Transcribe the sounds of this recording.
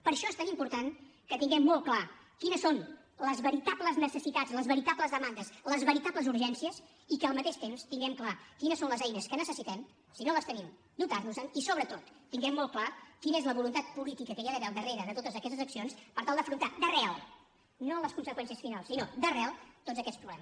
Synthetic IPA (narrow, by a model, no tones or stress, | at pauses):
pəɾʃɔest̪animpuɾt̪aŋkət̪iŋɡɛmːɔlˠkla | kinəson | ləzβəɾit̪apləznəsəsit̪ad͡zləzβəɾit̪apləzðəmand̪əsləzβəɾit̪apləzuɾʒɛnsiəs | ikəlˠmət̪eʃt̪emst̪iŋɡɛmklakinəsonləzɛjnəskənəsəsit̪ɛm | sinoləst̪ənim | d̪ut̪arnuzənisoβɾət̪ot̪ːiŋɡɛmːɔlˠklakinəezləβulunt̪at̪̚pulit̪ikəkəjaðəβɛlˠd̪əreɾəðət̪ot̪əzəkɛst̪əzəksionspəɾt̪alˠd̪əfɾunt̪ad̪əreɛalˠ | noləskunsəkwɛnsiəsfinalˠsːinod̪ərɛlt̪odd͡zzəkɛspɾuβlɛməs